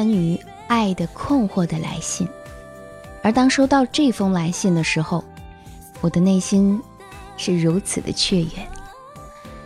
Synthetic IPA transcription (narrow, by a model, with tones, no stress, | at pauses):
ny˧˥ | a˥˩ɪd̪ə˩kʰʊ˥˧ŋxwɔ˥˩d̪ə˩la̰˧˥ɪɕi˥˩ŋ | ə˞˧˥t̪ɑ˥ŋʂo˥ʊt̪ɑ˥˧ʊʈ͡ʂɤ˥˩i˧fɤ˥ŋla˧˥ɪɕi˥˩ŋd̪ə˩ʂɻ̩˧˥xo˧ʊ | wɔ˨˩d̪ə˦ne˥˩ɪɕi˥n | ʂɻ̩˥˩ɻu˧˥t͡sʰɹ̩˨˩d̪ə̰˦t͡ɕʰɥɛ˥˩jɛ̰˨˩˦n